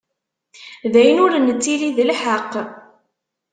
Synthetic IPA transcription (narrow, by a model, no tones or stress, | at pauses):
ðæjənʊɾnət͡sːiliðəlħəqː